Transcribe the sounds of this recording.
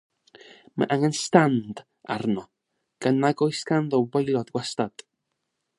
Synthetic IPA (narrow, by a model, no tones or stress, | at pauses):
ma̰ʔaŋɛnstand | a̰rnɔ | ɡ̥ənaɡɔjskanðɔwbəjlˠɔdɡwastad̥